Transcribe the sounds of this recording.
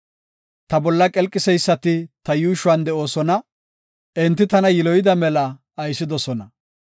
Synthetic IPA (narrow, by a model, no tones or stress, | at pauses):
t̪ɐbɔlːɐkʼɛlkʼːɪsɛjsːɐt̪ɪt̪ɐjuːʃʊwɐnd̪ɛo̞ːsɔnɐ | ɛnt̪ːɪt̪ɐnɐjɪlɔjɪd̪ɐmɛlɐː | jsːɪd̪ɔsɔnɐ